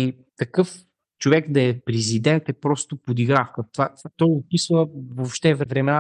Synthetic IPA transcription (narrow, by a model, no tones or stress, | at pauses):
i | t̪ɐkɤf | t͡ʃovɛkd̪ɐɛpɾɛzid̪ɛnt̪ɛpɾɔst̪ʊpod̪iɡɾafkət̪vat̪vat̪ɔjop̪isvəvopʃt̪ɛvvɾɛmɛna